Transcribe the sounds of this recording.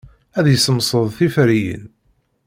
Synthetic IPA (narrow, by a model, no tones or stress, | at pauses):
æðjəsəmsˤəðˤθifɾijə̰n